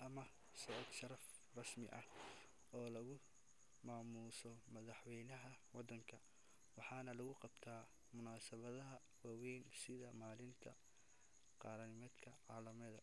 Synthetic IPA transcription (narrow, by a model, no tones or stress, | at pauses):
ʔɐmɐ | sɔʕd̪ʃɐɾɐf | rɑsmɪ̰ʔɐh | ɔːlɐɣʊ | maːmuːsɔmɐðɑħwɛjnɐɦɐwɑd̪ːɐŋkʰɐ | wɑħɑːnɐlɐɣʊqɑbt̪ʰaː | mʊnaːsɐβɐðɐɦɐ | waːwɛjnsɪðɐmaːlɪnt̪ʰɐ | qɑːɾɐnɪmɐd̪kʰɐʕɑːlɐmɛðɐ